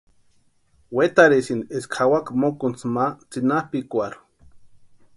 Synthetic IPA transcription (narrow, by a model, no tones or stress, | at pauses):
wet̪aɾesineskʰawakmokont͡smat͡sinahpikʷaɾ